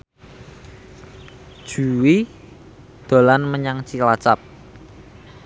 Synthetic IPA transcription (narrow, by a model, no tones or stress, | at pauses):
d̥ʒ̥uwi | d̪̥o̤lanməɲaŋt͡ʃilat͡ʃap̚